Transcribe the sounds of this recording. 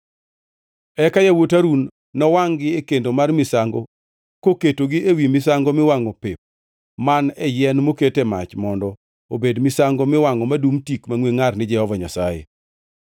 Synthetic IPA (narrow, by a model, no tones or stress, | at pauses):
ɛkajawotaɾunː | ɔwaŋɡɪekendomarmɪsaŋɡo | koketoɡɪʔewimɪsaŋɡomɪwaŋɔpɪp̚ | manɛjɛnmoketema̰t͡ʃmɔndɔ | obedmɪsaŋɡomɪwaŋɔmadumtikmaŋweŋarnɪd͡ʒɛhɔvaɲasajḛ